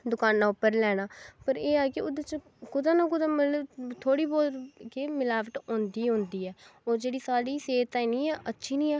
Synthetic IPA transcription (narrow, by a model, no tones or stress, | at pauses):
d̪ʊkaːnːãːʊpːəɾlɛːɽ̃aːpəɾeːaːkɪʊd̪ət͡ʃ | kʊd̪ãːnak̬ʊd̪ãːmələbt̪ʰoːɽiːboːɾkemɪlaːʋəʈõːnd̪iːɦʊ̃nd̪iːɛːoːd͡ʒeːɽiːsaːɽiːseːt̪ainiːɛːʔətːʃʰiːnĩːɛː